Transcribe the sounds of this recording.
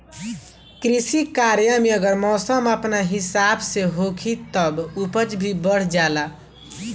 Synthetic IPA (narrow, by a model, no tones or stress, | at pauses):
kɾisikaɾjameʌɡəɾmɔsəmapnaɦisabseɦokʰit̪ʌbupət͡ʃbʱibəɽ̤d͡ʒala